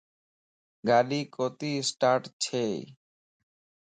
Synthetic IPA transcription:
ɡaɖikot̪isʈaɾʈt͡ɕʰe

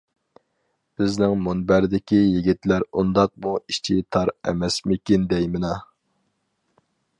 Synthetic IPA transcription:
b̥ɪznɪŋmonbæɾd̪ɪkʲijiɡʲit̪læɾund̪ɑq̚muiʃt͡ʃʰit̪ʰɑɾɛ̰mɛsmɪkʲind̪ɛjmɪnɑ

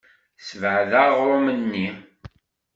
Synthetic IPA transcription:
svʕðaʁɾʊmənːi

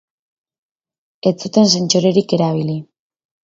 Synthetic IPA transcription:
e̞t͡sut̪e̞nsent͡ʃoɾe̞ɾike̞ɾaβ̞ili

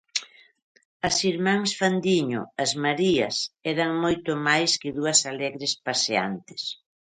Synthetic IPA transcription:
ɐsiɾmãŋsfand̪iɲʊ̰ɐzmaɾiɐsɛɾɐŋmojt̪ʊmajskɪðuɐsalɛɣɾɪspasea̰nt̪ɪ̥s

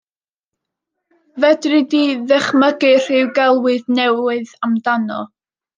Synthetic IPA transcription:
vɛdrɨdiðɛχməɡɨr̥ɪwɡɛlˠwɨðnɛwɨðamdanɔ̰

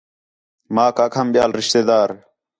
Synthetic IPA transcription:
maːkakʰɐmɓjaːlɾɪʃt̪eːd̪aːɾ

